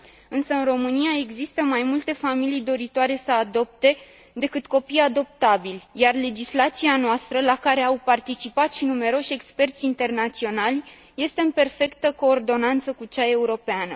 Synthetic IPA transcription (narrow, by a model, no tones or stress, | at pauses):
ɨnsəɨnro̞mɨniae̞ɡzist̪əmajmult̪e̞familijd̪o̞ɾit̪oaɾe̞səad̪o̞p̚t̪e̞ | d̪e̞kɨt̪ko̞pijad̪o̞p̚t̪abilʲjarle̞d͡ʒislat̪sianoast̪ɾəlakaɾe̞awpart̪it͡ʃipat̪ʃinume̞ɾo̞ʃʲe̞kspe̞rt̪sʲint̪e̞rnat̪sio̞nalʲ | je̞st̪e̞ɨnpe̞rfe̞kt̪əko̞ːrd̪o̞nant̪səkut͡ʃae̞uɾo̞peanə